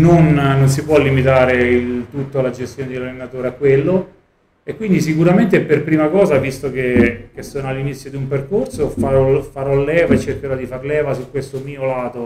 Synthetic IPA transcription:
nonːons̬ipwɔlːimit̪aːɾeilt̪ut̪ːoalːad͡ʒest̪joːned̪elalːenat̪oːɾeakːwelːo | ekːwind̪is̬ikuɾament̪eperpɾiːmakɔːzavist̪okekesːoːnoalːinit̪sːjod̪iumperkorsofaɾɔfaɾɔlːɛːvaet͡ʃːerkeɾɔd̪ifaɾlɛːvasukwest̪omiːolaːt̪o

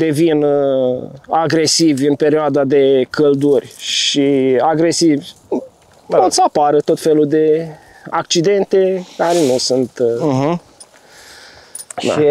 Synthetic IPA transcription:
d̪e̞vin | aɡɾe̞sivʲɨnpe̞ɾioad̪ad̪e̞kʰəld̪urʲʃiaɡɾe̞sivʲ | ot̪səapaɾət̪o̞t̪fe̞lud̪e̞ | a̰kt͡ʃid̪e̞nt̪e̞kaɾenusunt̪ | d̪a̰i

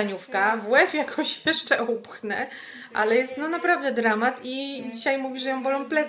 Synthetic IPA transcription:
aɲufkavwɛfjakʰɔ̃ɕjɛʂt͡ʂɛupxnɛ | ʔa̰lɛjɛst̪nɔnapɾavd̪ɛd̪ɾamat̪id͡ʑiɕajmuvʲiʐɛjɔ̃w̃bɔlɔ̃w̃plɛ

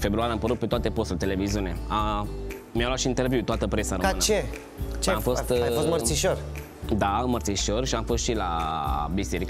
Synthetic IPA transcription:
fe̞bɾuaɾeampəɾut̪̚pet̪oat̪e̞po̞st̪ulet̪eleviziunea | mijawlat̪ʃint̪e̞rviut̪oat̪əpɾesaɾoɨnət͡ʃe | t͡ʃeamfo̞st̪ajfost̪mərt̪siʃor | d̪aɨmərt̪siʃo̞rʃiamfo̞st̪ʃilabise̞ɾik

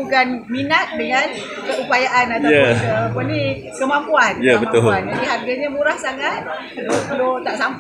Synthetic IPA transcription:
ukanminat̪̚dəŋan | kəupajaʔanat̪ajakəpuni | kəmampuanjabət̪ʊand͡ʒadiɦarɡaɲamuɾahsaŋat̪̚ | lolot̪aʔsam

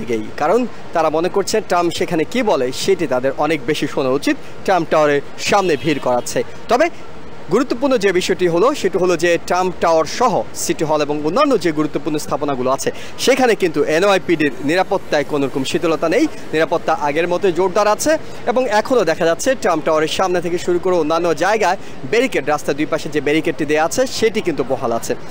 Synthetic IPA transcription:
ɡejkaɾon | t̪aɾamonekoɾt͡ɕʰenʈamʃekʰanekibɔleʃeʈit̪ad̪eɾʔɔnek̚beʃiʃonaut͡ɕit̪ | ʈɾamʈaoɾeɾ | ʃamnebʱiɾkɔɾatːɕʰe | t̪ɔbe | ɡuɾut̪ːop̬uɾnod͡ʑebiʃɔeʈiɦoloʃeʈiɦolod͡ʑeʈamʈaoɾʃɔɦosiʈiɦɔleboŋonːanːod͡ʑeɡuɾut̪ːopuɾnost̪ʰaponaɡuloat͡ɕʰe | ʃekʰanekint̪uʔenoajpiɖiɾniɾapot̪ːaekonoɾɔkomʃit̪olot̪anej | niɾapot̪ːaʔaɡeɾmɔt̪od͡ʑoʈ̚d̪aɾaːt͡ɕʰe | eboŋɛkʰonod̪ɛkʰad͡ʑatːɕʰeʈɾamʈawoaɾeɾʃamnet̪ʰekeʃuɾukoɾeonːanːod͡ʑaeɡae | beɾikeʈɾast̪aed̪ujpaʃed͡ʑebeɾikeʈːid̪eaat͡ɕʰeʃeʈikint̪upɔɦala̰t͡ɕʰe

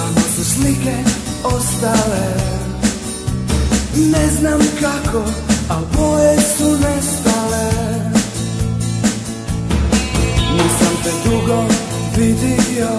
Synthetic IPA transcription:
nasuslikɛost̪ale | nɛznamkakʰoabojesunɛst̪ale | niːsamt̪ɛd̪ɾuɡo | ʋid̪ijo

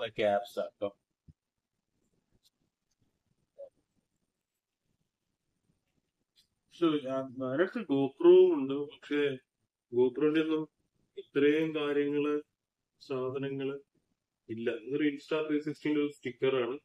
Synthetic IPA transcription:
ɐkaːpsa̰ːkːɐm | soɲaːnnaːɾɐɽɐt̪ːiɡo̞ːproːmuɳɖɨpɐkʂe̞ | ɡoːproːindenːum | it̪rɐjumkaːɾjɐŋːɐɭɨ | saːd̪ʱɐnɐŋːɐɭ | ilːɐɐɾɨinsʈaːpɾeːs̬isʈindolːsʈikːɐraːɳɨ

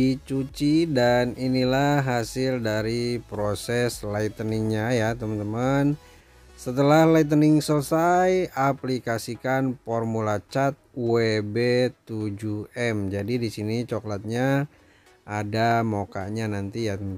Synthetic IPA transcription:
it͡ʃut͡ʃidaninilaɦasɪldaɾipɾosɛslait̪ənɪŋɲajat̪əmənt̪əman | sət̪əlahlajt̪̬ənɪŋsələsajaplikasikanfɔrmulat͡ʃat̪̚webet̪ud͡ʒuɛmd͡ʒadidisinit͡ʃɔklat̪̚ɲa | ʔadamoka̰ɲanant̪ija

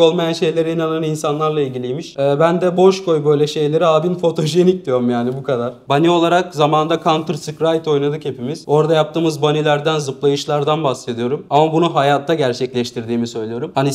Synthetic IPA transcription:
o̞lˠmajanʃe̞jlʲe̞ɾiinananinsanlˠaɾlˠailʲɟʲilʲijmiʃɛːbænd̪ɛbo̞ʃko̞jbø̞jlʲɛʃe̞jlʲe̞ɾiaːbinfo̞t̪ʰo̞ʒenic̚d̪ijo̞ɾumjaːnibukʰad̪aɾ̥banio̞lˠaɾak̚zamaːnd̪akʰant̪ʰɯɾsɯkɾajt̪ʰo̞jnad̪ɯkhe̞pimiz̥o̞ɾd̪ajap̚t̪ɯːmɯzbanilʲæɾd̪ænzɯplˠajɯʃlˠaɾd̪anbahse̞d̪ijo̞ɾumamabunuɦajaːt̪ʰːaɟæɾt͡ʃʰɛclʲɛʃt̪ʰiɾd̪iːmisø̞jlʲijo̞ɾumhani

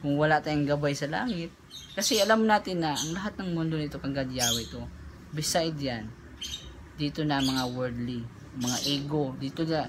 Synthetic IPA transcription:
kʊŋwɐlat̪aːjʊŋɡɐbajsɐla̰ːŋɪt̪̚kɐsɛʔɐlamːonaːt̪ɪnːɐʔɐŋlɐɦat̪̚nɐŋmond̪o̞nɪt̪o̞kɐŋɡɐd̪jaːwɛt̪o̞ | bɪsajd̪jan | d̪iːt̪o̞nɐmɐŋawɛɹd̪li | mɐŋaʔɛːɡo̞d̪iːt̪onɐ

